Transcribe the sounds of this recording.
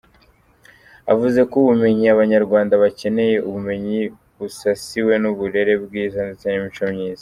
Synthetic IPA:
a̰vuze̞kuβume̞ɲiaβaɲaɾɡwaːndaβace̞ne̞je̞ʔuβume̞ɲi | βusasiwe̞nuβuɾe̞ɾe̞b̚ɡiːzandit͡saɲumit͡ʃomɲiːz̥a

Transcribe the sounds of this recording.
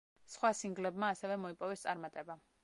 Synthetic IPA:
sχwasiŋɡlɛbmaːsɛvɛmɔipʼɔvɛst̪sʼaɾmat̪ʼɛba

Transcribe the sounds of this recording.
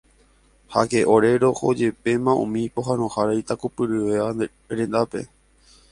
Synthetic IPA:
hakeʔo̞ɾe̞ɾo̞ho̰d͡ʒe̞pe̞mãṵ̃mĩpoɦãnõhaɾajt̪akupɨɾɨʋea | ɾẽ̞nd̪ape̞̰

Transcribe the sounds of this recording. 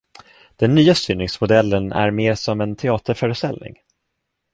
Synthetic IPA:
d̪̥ɛnːyːast̪yːnɪŋsmʊd̪ɛlːənæ̰ɾmeːɾsɔmɛnt̪ʰɛɑːt̪əɾfœːɾəst̪ɛ̰lnɪ̰ŋ

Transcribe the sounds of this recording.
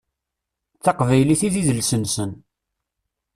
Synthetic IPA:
θɑqvæjliθiðiðəlsənsən

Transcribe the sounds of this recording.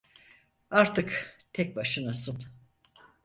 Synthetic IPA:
aɾt̪ʰɯkt̪ʰɛc̚baʃɯnasɯn

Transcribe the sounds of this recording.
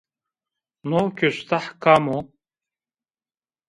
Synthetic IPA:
nokʰʲøst̪ʰaħkʰamo

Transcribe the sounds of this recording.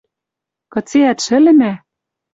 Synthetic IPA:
kɤ̆t͡seæt̪ʃɘ̆lɘ̆næ

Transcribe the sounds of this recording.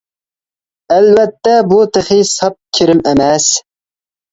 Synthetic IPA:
ælvɛt̪ːɛbut̪ʰeχisɑp̚kʲʰɪɾɪmæmɛs

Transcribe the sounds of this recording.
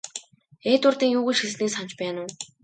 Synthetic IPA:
eːt̪ʊrt̪iːŋjuːɣŭʃiɮsniːsan̥t͡ɕpæːnʊː

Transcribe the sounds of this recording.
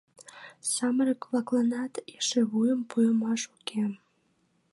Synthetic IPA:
sɑməɾʲəkβɑklˠɑnɑt̪eʃeβujəmpujəmɑʃuke

